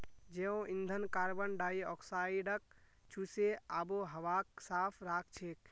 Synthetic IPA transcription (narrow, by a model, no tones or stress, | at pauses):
d͡ʒeõĩnd̪ʱənkaɾbənɖaiɔksaiɖək̚ | t͡ʃʰuseaboɦəʋak̚sapʰɾakʰt͡ʃʰek̚